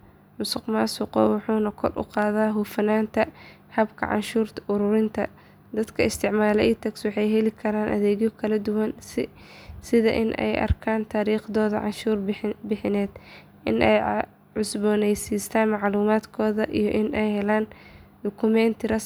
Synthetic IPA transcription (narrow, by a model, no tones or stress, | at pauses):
mʊsɪqmaːsʊqɔ̰ːwʊħuːnɐkʰɔrʔʊ̰qɑːðaːɦʊfɐnaːnt̪ʰɐ | hɐbkʰɐ̰ʕɑ̰nʃuːrt̪ʰʊɾʊɾɪnt̪ʰɐ̰ | d̪ɐd̪kʰɐɪst̪ʰɪʕmaːlɛʔiːt̪ʰɐkswɑħɑjɦɛlɪkʰɐɾaːnʔɐ̰ðɛːɣjɔkʰɐlɐd̪ʊwɐns | sɪðɐ̰ʔɪ̰nʔɛ̰jʔɐ̰rkʰaːnt̪ʰaːɾiːχðɔːðɐ̰ʕɑ̰nʃuːrbɪħɪnɛːd̪ | ʔɪ̰nʔɛ̰j | ʕʊsbɔːnɛjsiːst̪ʰaːnmɑʕluːmaːd̪kʰɔːðɐʔijɔʔɪnʔɛjhɛlaːnd̪ʊkʰʊmɛːnt̪ʰɪɾɐ